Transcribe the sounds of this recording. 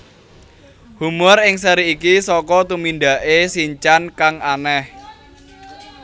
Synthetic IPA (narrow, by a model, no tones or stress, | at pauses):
humʊrɪŋsəɾiːkisɔkɔt̪uminɖ̪a̤ʔesiɲt͡ʃankaŋanɛh